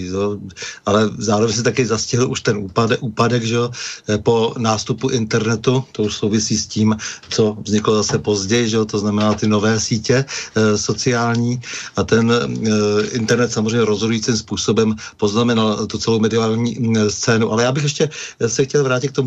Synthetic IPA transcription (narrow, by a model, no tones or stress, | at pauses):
ʒɛoʔalɛzaːɾovɛɲs̬ɪt̪akɪzascɪɦɪlʔuʃt̪ɛnuːpaʔuːpadɛɡʒɛopo̞naːst̪upuʔɪnt̪ɛɾnɛt̪ut̪o̞uʃsowvɪsiːsciːmt͡so̞vzɲɪklo̞zasɛpo̞zɟɛjɪʒɛot̪oznamɛnaːt̪ɪno̞vɛːsiːcɛso̞t͡sɪaːlɲiːʔat̪ɛn | ɪnt̪ɛɾnɛt̪samozr̝ɛjɲɛɾo̞zɦodujiːt͡simspuːso̞bɛmpo̞znamɛnalt̪ut͡sɛlowmɛdɪaːlɲiːst͡sɛːnuʔalɛjaːbɪxjɛʃcɛsɛxcɛlvɾaːcɪt̪k̚t̪omu